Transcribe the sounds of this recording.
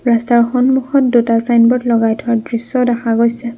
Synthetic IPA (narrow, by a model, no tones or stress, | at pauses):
ɹastaɹxɔnmuxɔt̚dutasajnbɔtlɔɡajtʰɔadɹisɔdaxaɡojsɛ